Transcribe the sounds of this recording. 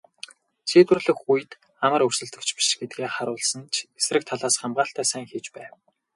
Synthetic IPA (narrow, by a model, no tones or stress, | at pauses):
t͡ɕʰiːt̪wɘ̆rɮɘ̆xuj̆t̪ | amə̆rɵrsɘ̆ɮt̪ɵ̆kt͡ɕpi̥ʃɡet̪̚ɡeːχaɾʊːɮsə̆nt͡ɕesrɘ̆k̚t̪ʰaɮaːsχamɢaːɬt̪æːsæːŋxiːt͡ɕpæːw